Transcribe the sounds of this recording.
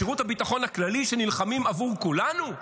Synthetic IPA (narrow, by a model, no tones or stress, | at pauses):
iʁuthabitaχo̞naklaliʃe̞nilχamimavuʁkulanu